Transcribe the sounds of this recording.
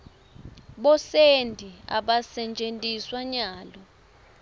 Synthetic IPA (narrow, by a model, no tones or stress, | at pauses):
ɓɔsendʱia̰ɓasɛnt͡ʃʼentʼiswaɲaːlɔ